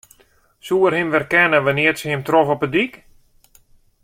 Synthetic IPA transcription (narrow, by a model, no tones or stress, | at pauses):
suərhɪmʋɛrkɛnəʋənɪətsəhɪmtrɔfɔpədik